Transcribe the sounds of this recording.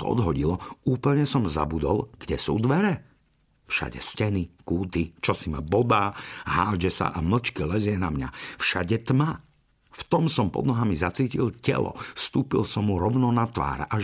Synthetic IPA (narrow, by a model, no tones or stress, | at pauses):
t̪ɔ̰ɔ̰d̪ɦɔɟilɔuːpl̩ɲɛsɔmza̰bud̪ɔlɡɟɛsuːd̪ʋɛɾɛ | fʃa̰ɟɛ̰scɛnikuːt̪it͡ʃɔsimabɔd̪aːɦaːd͡ʒɛsa̰ʔaml̩t͡ʃkilɛzɪɛnamɲa̰fʃa̰ɟɛt̪ma | ft̪ɔmsɔmpɔ̰d̪nɔɦamizat͡siːcilcɛ̰lɔ̰st̪uːpḭlsɔmːuɾɔʊnɔnat̪ʋa̰ːɾʔa